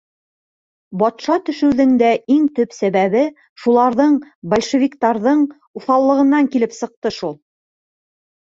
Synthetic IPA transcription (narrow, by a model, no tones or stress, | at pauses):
bɒt̪ʃɑt̪ɵ̆ʃɵ̆wðɘ̆ŋd̪æʔiŋt̪ɵpsæβæβɘ | ʃulˠɑɾðɤɴbɐlʲʃĕvʲikt̪ɑɾðɤɴ | uθɑlˠːɤ̆ʁɤ̆nːɑŋkilɘpsɤ̆q̚t̪ɤʃulˠ